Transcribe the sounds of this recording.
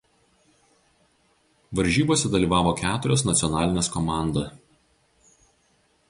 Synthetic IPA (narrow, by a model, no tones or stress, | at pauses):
ʋɐɾʲʒʲiːboːsʲɛd̪ɐlʲiːˑʋɑːʋoːkʲæːt̪ʊɾʲoːsnɐt̪sʲɪɔnɑːlʲɪnʲeːskɔmɑˑnd̪ɐ